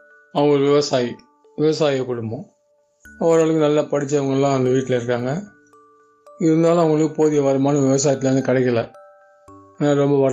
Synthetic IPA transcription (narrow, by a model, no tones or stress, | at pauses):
ɐʋɐŋɡɐɔɾɯʋɪʋɐsaːji | ʋɪʋɐsaːjɐkːʊɽɯmbõ | ɐʋɐɾaːɭɯkːɯnɐlːaːpɐɽɪt͡ʃːɐʋɐŋɡɐɭlːãːɐnd̪ɐʋiːʈːɪlɐɪɾɯkːaːŋɡɐ | ɪɾɯnd̪aːlʊ̃ɐʋɐŋɡɐɭɯkːɯpoːðɪjɐʋɐɾɐmaːnɐʋɪʋɐs̬aːjt̪ːɪlɐɾnd̪ɯkɐɽɛkʲːɐlɐ | eːnaːɾɔmbɐʋɐ